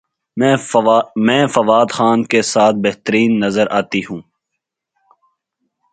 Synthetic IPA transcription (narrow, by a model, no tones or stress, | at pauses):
mɛ̃ːfɐʋaːd̪xaːnkesaːt̪̚ʰbeɦt̪əɾiːnːɐzəɾʔaːt̪iɦũː